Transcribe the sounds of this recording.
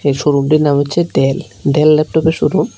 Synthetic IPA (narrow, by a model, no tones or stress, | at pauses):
eʃuɾumʈinamotːɕʰeɖel | ɖelːɛp̚ʈɔpeʃuɾum